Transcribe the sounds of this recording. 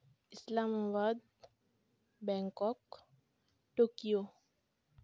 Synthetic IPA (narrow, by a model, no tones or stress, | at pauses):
ɪslamabad̪̚ | bɛ̃ŋkɔk | ʈoːkijo